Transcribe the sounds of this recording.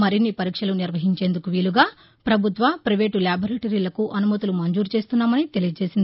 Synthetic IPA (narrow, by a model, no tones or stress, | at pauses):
mɐɾinːipɐɾiːkʂɐluniɾʋɐɦiɲt͡ʃe̞ːnd̪ukuʋiːluɡaː | pɾɐbʱut̪ʋapɾɐʋeːʈuljaːbʱɐɾeːʈɐɾiːlɐkuʔɐnumɐt̪ulumɐnd͡ʒuːɾt͡ʃe̞ːst̪unːaːmɐnit̪e̞lijɐd͡ʒe̞ːsind̪i